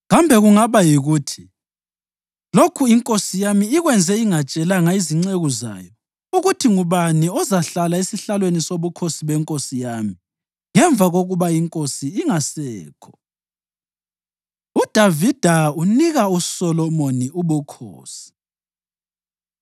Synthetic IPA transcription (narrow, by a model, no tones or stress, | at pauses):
ɣambʱɛɣuŋaβajiɣuːtʰi̥ | lokʰuiŋkʼosijamiiɣwɛnd͡zʱɛiŋat͡ʃʼɛlaŋaiziŋ͡ǀeɣuza̰ːjɔ | uɣutʰiŋuβaniɔzaɬalaisiɬalwenisoβukʰosiβɛŋkʼosijaːmi | ŋɛɱvʱaɣoɣuβaiŋkʼosiːŋasɛːkʰɔ̥ | ud̥ʱavid̥ʱauniɣausɔlɔmoniuβukʰo̰ːsi̥